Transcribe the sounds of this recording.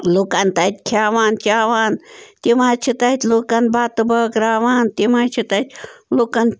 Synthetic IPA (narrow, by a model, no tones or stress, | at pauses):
luːkɐnt̪ɐt̪̚ʲkʰaːʋaːnt͡ʃaːʋaːnt̪imaːt͡ʃʰit̪ɐt̪ʲluːkɐnbaːt̪ɨbɐːkɾaːʋaːnt̪imaːt͡ʃʰit̪ɐt̪ʲloːkɐn